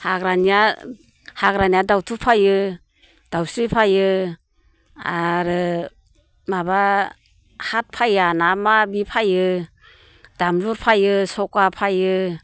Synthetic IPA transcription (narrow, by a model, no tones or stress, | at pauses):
haɡɾanija | haɡɾaniadawtʰupʰajɯ | d̥awsɯjpʰajɯ | aɾɯ | maba | hat̚pʰajanamabipʰajɯ | d̥amzuɾpʰajɯsɔkapʰajɯ